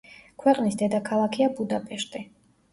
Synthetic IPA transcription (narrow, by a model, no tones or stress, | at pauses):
kʰwɛqʼnisd̪ɛd̪akʰalˠakʰiabud̪apʼɛʃt̪ʼi